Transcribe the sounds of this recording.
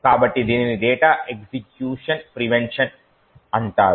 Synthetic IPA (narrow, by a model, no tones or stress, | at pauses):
kaːbɐʈːid̪iːniniɖeːʈaːʔeksikjuːʂɐnpɾiʋeɳʂɐn | ɐnt̪aːɾ